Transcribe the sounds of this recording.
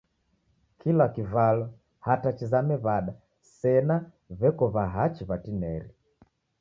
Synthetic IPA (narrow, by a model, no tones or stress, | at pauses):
kʰilakivalɔ | hatat͡ʃizamɛβaɗa | sɛna | βɛkɔβaɦat͡ʃiβatinɛɾi